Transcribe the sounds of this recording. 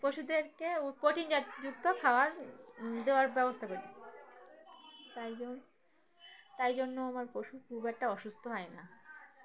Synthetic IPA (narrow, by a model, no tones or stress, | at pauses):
poʃud̪eɾkeukoʈind͡ʑaɾd͡ʑukt̪okʰaoaɾd̪eoaɾbɛbost̪ʰakoɾi | t̪ajd͡ʑon | t̪ajd͡ʑonːoamaɾpoʃukʰubɛk̚ʈaɔʃust̪ʰoɦɔena